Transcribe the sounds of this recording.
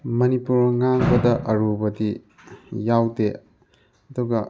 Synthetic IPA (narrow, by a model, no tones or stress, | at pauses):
mɐnipuɾɐŋaŋbɐdɐʔɐɾubɐdi | jawde | ɐduɡɐ